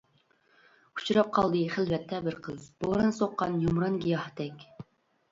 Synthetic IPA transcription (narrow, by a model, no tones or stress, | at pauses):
u̥t͡ʃʰuɾɑp̚qʰɑlˠd̪ɨχɨlvɛt̪ʰːɛbɪɾqʰəzbolˠɾɨnsoqːɑnjumɾɑnɡʲijɑht̪ɛkʲ